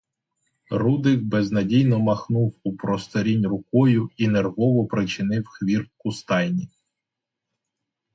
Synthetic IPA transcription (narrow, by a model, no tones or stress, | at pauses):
rud̪ɪkbɛznɐdʲijnɔmɐxnuwupɾɔst̪ɔɾʲinʲrʊkɔjʊinerɦɔʋɔpɾɪt͡ʃɪnɪwxʋʲirp̚kʊst̪ɑjnʲi